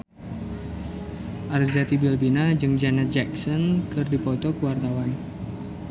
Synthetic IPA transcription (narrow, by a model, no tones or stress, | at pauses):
ʔarzat̪ibilbinad͡ʒɨŋd͡ʒɛnɛt̪̚d͡ʒɛksɔnkɨrdipɔt̪ɔkəwart̪awan